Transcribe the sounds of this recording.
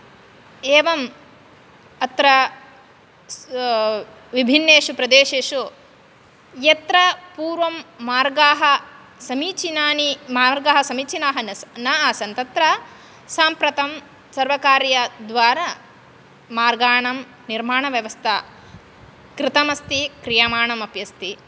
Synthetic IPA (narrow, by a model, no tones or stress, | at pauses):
eːʋɐm | ɐt̪ɾɐ | ʋibʱinːeːʂupɾɐd̪eːʃeːʃu | jɐt̪ɾɐpuːɾʋɐmːaːɾɡaːɦɐ | sɐmiːt͡ʃinaːnimaːɾɡaːɦɐsɐmiːt͡ʃinaːɦɐnɐnɐaːsɐnt̪ɐt̪ɾɐ | saːmpɾɐt̪ɐm | sɐɾʋɐkaːɾjɐd̪ʋaːɾa | maːɾɡaːɳɐm | niɾmaːɳɐʋjɐʋɐst̪ʰa | kɾɪt̪ɐmɐst̪ikɾijaːmaːɳɐmɐpjɐst̪i